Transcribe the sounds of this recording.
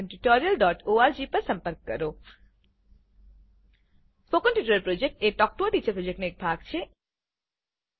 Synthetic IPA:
nʈuʈɔɾijəlɖɔʈoaɾd͡ʒipəɾsəmpəɾk̚kə̰ɾo | fokənʈuʈɾəɾpɾod͡ʒek̚ʈeʈɔk̚ʈoʈit͡ʃəɾpɾod͡ʒek̚ʈnoek̚bʱaɡt͡ʃʰe

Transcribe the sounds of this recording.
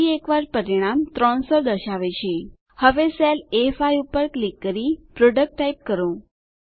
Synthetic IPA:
iekʋaɾpəɾiɽ̃amt̪ɾɔɳsɔd̪əɕaʋet͡ɕʰe | həʋeselefajupəɾklikːəɾipɾoɖək̚ʈːaip̚kəɾõ

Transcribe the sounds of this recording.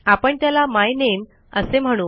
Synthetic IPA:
apəɳt̪jalamajnen | əsem̤əɽ̃uː

